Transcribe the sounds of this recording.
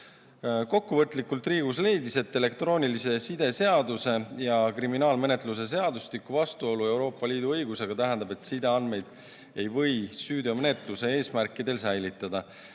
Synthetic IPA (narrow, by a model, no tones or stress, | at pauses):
ko̞kːuvɤt̪ːˑlikːˑult̪riːɡ̥usle̞jd̪ise̞t̪ːe̞le̞kt̪ro̞ːnʲilise̞sid̪̥e̞se̞ɑd̪use̞jɑkriminɑːlme̞ne̞t̪ˑlus̬e̞s̬e̞ɑd̪ust̪ikːˑuvɑst̪uo̞lue̞wɾo̞ːpˑːɑliːd̪uɤjɡuse̞ɡ̥ɑt̪æɦɛnd̪̥ɑbe̞t̪sid̪e̞ɑnd̪̚me̞jd̪̥ | e̞jvɤ̞jsyːd̪o̞menet̪ˑluse̞e̞ːsmæɾkːˑid̪e̞lsæjlit̪ːˑɑd̪̥ɑ